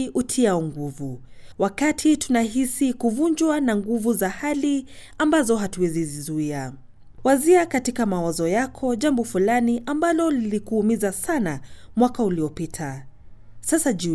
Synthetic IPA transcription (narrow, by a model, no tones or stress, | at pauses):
ʔutʰiaɔŋɡuvuwakatʰitunaɦisikuvuɲd͡ʒwanaŋɡuvuzahali | ambazɔɦatuwɛzizizuia | waziakatikamawazɔjakʰɔʄambɔfulaniʔambalɔlilikuhːmizasanamwakauliɔpitʰa | sasaʄu